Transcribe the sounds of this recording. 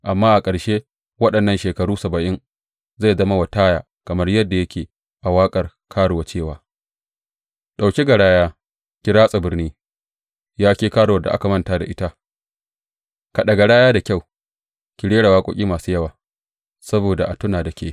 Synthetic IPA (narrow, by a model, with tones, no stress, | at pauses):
ʔa˨mːaː˦ʔa˨kʼɐ˨ɽʃeː˦ | wɐ˦ɗɐ˨nːɐ˦nʃeː˨kɐ˨ɽuː˦sɐ˨bɐ˨ʔɪ˦ŋ | za˦˨zɐ˦ma˦wa˨taː˦jaː˨ | kɐ˨mɐ˦rjɐ˦dːa˨jɐ˦kʲeː˨ | ʔa˨waː˦kʼɐ˨r | kʰaː˦ɽo˨wa˨t͡ʃeː˦˨waː˨ | ɗa˨wkʲi˦ɡa˨ɽaː˦jaː˦ | kʲɪ˦ɽaː˦sʼa˨bɪ˦rniː˦ | jaː˦kʲeː˦kaː˦ɽo˨wɐ˨da˨ʔa˦ka˨mɐ˦˨nta˦da˨ʔɪ˦ta˦ | ka˨ɗɐ˨ɡa˨ɽaː˦jaː˦da˨kʲa˦˨w | kʲi˨ɽeː˦ɽa˨waː˦kʷʼːkʲʼiː˦maː˨su˦jɐ˦˨waː˨ | sɐ˦boː˨da˨ʔa˨tʊ˦naː˨da˨kʲeː˦